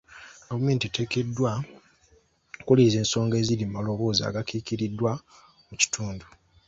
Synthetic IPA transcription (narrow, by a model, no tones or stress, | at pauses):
ɡavume̞ːntite̞ke̞dːwa | kulize̞ːnso̞ːŋɡe̞ːzilimalo̞βo̞ːzia̰ɡakiːkiɾidːwa | muci̥tʰuːndu